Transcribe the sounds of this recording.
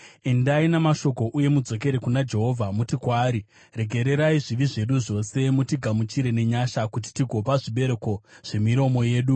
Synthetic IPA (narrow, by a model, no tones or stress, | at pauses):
e̞ndainamaʃo̞ko̞ʔuje̞mud͡zo̞ke̞ɾekunad͡ʒe̞ɦo̞vʱamutikwaːɾi | re̞ɡʱe̞ɾe̞ɾaiʐiʋiʐe̞ɗuʐo̞se̞mutiɡʱamut͡ʃiɾe̞ne̞ɲaʃakut̬i̥tiɡʱo̞paʐiɓe̞ɾeko̞ʐ̥e̞miɾo̞mo̞je̞ːɗu